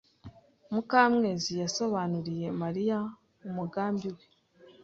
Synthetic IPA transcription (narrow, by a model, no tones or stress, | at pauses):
mukaːmŋe̞ːzijaso̞βanuɾije̞maɾija | umuɡaːmbiwe̞